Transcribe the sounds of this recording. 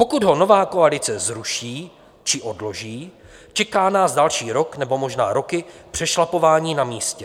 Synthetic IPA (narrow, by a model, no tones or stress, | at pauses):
po̞kudɦo̞no̞vaːkoalɪt͡sɛzɾuʃiː | t͡ʃɪʔo̞dlo̞ʒiː | t͡ʃɛkaːnaːzdalʃiːɾo̞knɛbo̞mo̞ʒnaːɾo̞kɪpr̝̥ɛʃlapo̞vaːɲiːnamiːscɛ